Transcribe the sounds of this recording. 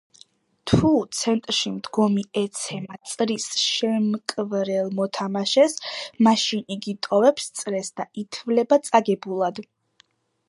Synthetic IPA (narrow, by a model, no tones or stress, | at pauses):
t̪ʰut̪sʰɛnt̪ʼɾʃimd̪ɡɔmiɛt̪sʰɛmat̪sʼɾisʃɛmkʼvɾɛlˠmɔt̪ʰamaʃɛsmaʃiniɡit̪ʼɔvɛpst̪sʼɾɛsd̪ait̪ʰvlɛbat̪sʼaɡɛbulˠad̪